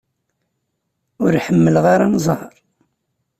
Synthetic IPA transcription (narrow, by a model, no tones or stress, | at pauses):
ʊɾħəmːəlʁaɾanzˤhəɾˤ